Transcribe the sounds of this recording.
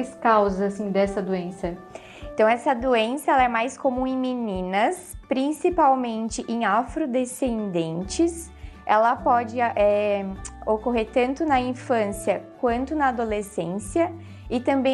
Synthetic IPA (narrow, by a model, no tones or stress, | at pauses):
jskawzɐasĩd̪ɛsɐd̪uẽsɐ | ẽnt̪ɐ̃w̃ɛsɐd̪uẽsɐɛlɐɛmajskomũẽj̃minĩnɐspɾĩsipawmẽnt͡ʃɪʔẽj̃afɾod̪esẽnd̪ẽnt͡ʃɪs | ɛlɐpɔd͡ʒɪʔɛ | okoɦeɾt̪ɐ̃nt̪ʊnɐĩfɐ̃siɐkwɐ̃nt̪ʊnɐːd̪olesẽsiɐ | ɪt̪ɐ̃bẽ